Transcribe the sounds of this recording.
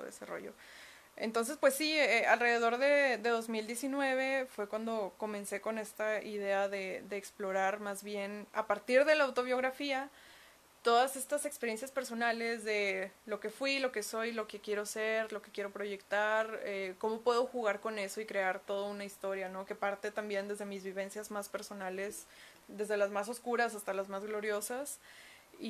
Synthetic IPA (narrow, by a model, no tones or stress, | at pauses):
oðḛsero̰ʝo̰ | ḛnt̪o̞ns̬e̞spwe̞sːiealre̞ð̞e̞ðo̞ɾðe̞ðe̞ðo̞zmild̪je̞sinwe̞β̞e̞fwe̞kwand̪o̞ko̞mẽ̞nse̞ko̞ne̞st̪aiðe̞aðe̞ðe̞ːksplo̞ɾaɾmazβje̞napaɾt̪iɾðe̞laːwt̪o̞β̞jo̞ɣɾafia | t̪o̞ðase̞st̪ase̞kspe̞ɾje̞nsjaspe̞ɾso̞nale̞zðe̞lo̞ke̞fwilo̞ke̞so̞jlo̞ke̞kje̞ɾo̞se̞ɾlo̞ke̞kje̞ɾopɾo̞ʝe̞kt̪aɾeko̞mo̞pwe̞ð̞o̞xuɣ̞aɾko̞ne̞so̞ikɾe̞aɾt̪o̞ð̞ounaist̪o̞ɾjano̞ke̞paɾt̪et̪ambje̞nd̪e̞zð̞e̞mizβiβ̞e̞nsjazmaspe̞ɾso̞nale̞s | d̪e̞zðe̞lazmas̬o̞skuɾasast̪alazmazɣlo̞ɾjo̞sas | i